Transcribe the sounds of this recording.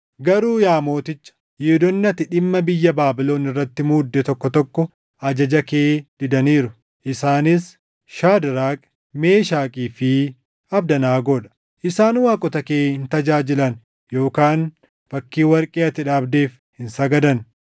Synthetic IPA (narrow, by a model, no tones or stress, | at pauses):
ɡɐɾuːjaːmo̞ːt̪ɪt͡ʃːɐ̥ | jɛd̪ɔnːɐt̪ɪᶑɪmːɐbɪjːɐbaːbɪlo̞ːnɪrːɐt̪ːɪmuːd̪ːɛt̪ɔkːɔt̪ɔkːɔ | ʔɐd͡ʒɐd͡ʒɐkeːd̪̥ɪd̪ɐniːɾʊ | ʔɪsaːnɪs | ʃaːd̪ɪɾaːkʼ | me̞ːʃaːkʼiːfɪ | ɐbd̪ɐnaːɡoᶑɐ̥ | ʔɪsaːnwaːkʼɔt̪ɐke̞ːhɪnt̪ɐd͡ʒaːd͡ʒɪlɐn | jo̞ːkaːn | fɐkːiːwɐɾkʼeːɐt̪ɪᶑaːbd̪e̞ːf | hɪnsɐɡɐd̪ɐn